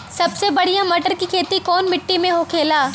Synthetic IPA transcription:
sɐbsebɐɽ̤ijãmɐʈəɾkikʰeːt̪ikɔːnmɪʈːimẽɦokʰeːlaː

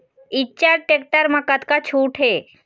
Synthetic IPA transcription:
itːt͡ʃaɾʈek̚ʈaɾməkat̪kat͡ɕʰuːʈɦe

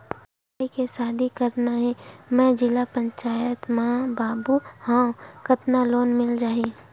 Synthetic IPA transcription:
aːikesaːd̪ʱikɐɾnaɦɛ̃mɛ̃d͡ʒɪlapə̃ɲt͡ʃaːjət̪mãbaːbuhãːkɐt̪naloːnmɪld͡ʒaːɦe

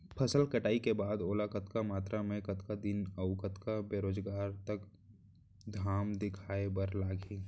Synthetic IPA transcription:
pʰɐsəlkɐʈaːikebaːd̪oːlakət̪kamaːt̪ɾamẽkɐt̪kad̪ɪnəʋkət̪kabeːɾoːd͡ʒɡaːɾt̪ɐk | d̪ʱaːmd̪ɪkʰaːebəɾlaːɡeː

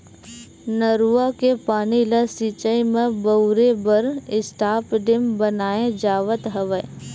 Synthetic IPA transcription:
nəɾuakepaːniləsiːt͡ʃəimẽbəʊɾebəɾɪsʈaːpɖɪmbənaːẽd͡ʒaːʋət̪ɦəʋə

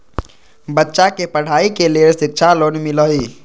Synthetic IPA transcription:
bətːʃakepəɽ̤aikelelsik̚t͡ʃʰalonmiləi

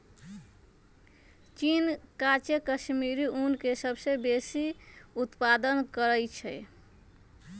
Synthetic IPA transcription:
t͡ʃinkat͡ʃekəsmiɾiʔunkesəbsebesiut̪pad̪ənkəɾəjt͡ʃʰɛ

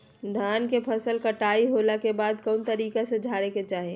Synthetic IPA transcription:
d̪ʱaːnkepʰəsəlkəʈaːiɦoːlakebaːd̪kɔːnt̪əɾiːkesed͡ʒʱaːɾeket͡ʃaːɦeː

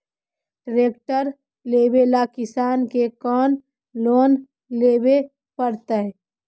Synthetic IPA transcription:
ɖɾeːkʈəɾ | leːbelakɪsaːnkekɔːn | loːn | leːbe | pəɾt̪ə

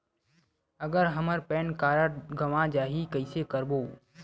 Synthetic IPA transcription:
əɡəɾɦəməɾpeːnkaːɾəʈɡʱɐʋãːd͡ʒaːɦikəɪsekəɾboː

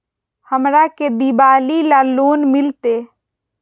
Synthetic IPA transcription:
həmɾaked̪ibalilalonmilt̪e

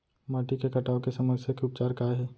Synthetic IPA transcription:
maːʈikekɐʈaːokesɐməsjakeʊp̚t͡ʃaːɾkaːɦɛː

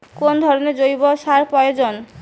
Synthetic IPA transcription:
kond̪ʱɔɾoneɾd͡ʑojbɔʃaɾpɾɔjod͡ʑon

